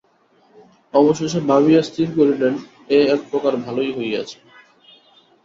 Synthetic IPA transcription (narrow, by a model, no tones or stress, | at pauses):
ɔboʃoʃebaβiast̪ʰiɾkoɾiɖen | eɛk̚pɾokaɾbʱalojɦoja̰t͡ɕʰe̥